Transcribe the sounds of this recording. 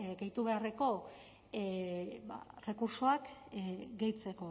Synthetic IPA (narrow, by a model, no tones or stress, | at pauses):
ɡejt̪uβ̞e̞areko̞ | ba̰re̞kuɾsoak | ɡejt͡se̞ko̞